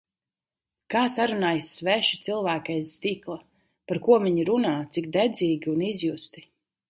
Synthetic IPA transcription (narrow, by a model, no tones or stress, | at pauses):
kaːsaɾunaːjsvɛʃi̥t̪silˠvæːkɛjsːt̪iːklˠa | paɾkuɔviɲiɾunaːt̪sikd̪ɛd̪ziːɡʲiunizjust̪i